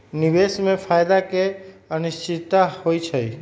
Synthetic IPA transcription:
nibesmepʰajd̪akeənist͡ʃit̪ːahojt͡ʃʰəj

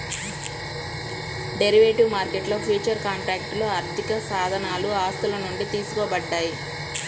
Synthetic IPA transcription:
ɖeɾiʋeːʈiʋmaːɾkeʈlo̞ːpʰuːt͡ʃɐɾkaːɳʈɾaːk̚ʈlo̞ːɐɾt̪ʰikɐsaːd̪ʱɐnaːluaːst̪ulɐnuɳɖit̪iːsu̥kɔːbɐɖːaːji

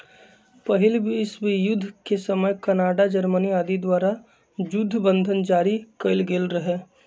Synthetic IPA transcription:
pəɦɪlbʱiɪsbʱijʊd̪ʱːkesəməjkɐnaːɖad͡ʒəɾməniaːd̪id̪waːɾa | d͡ʒʊd̪ʱːbə̃nd̪ʱənd͡ʒaːɾikəɪlɡeːlɾəɦɛː

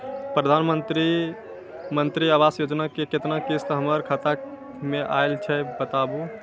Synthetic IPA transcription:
pɾəd̪ʱanmənt̪ɾi | mənt̪ɾiabasjod͡ʒnakeket̪nakest̪ɔɦəməɾkʰət̪a | meʔa̰jlt͡ʃʰɛbət̪abu

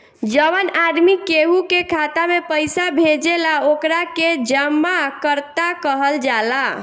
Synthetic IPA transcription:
d͡ʒəʋənad̪mikeɦukekʰat̪amepəjsabʱed͡ʒelaokɾaked͡ʒəmːakəɾt̪akəɦəld͡ʒala

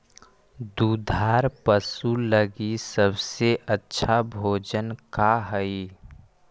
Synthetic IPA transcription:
d̪ud̪ʱaːɾpəsuləɡisəbseʔətːʃʰabʱoːd͡ʒənkaɦəi

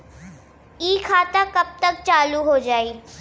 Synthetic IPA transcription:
iːkʰaːt̪akɐb̚t̪ɐk̚t͡ʃaːluɦoːd͡ʒaːiː

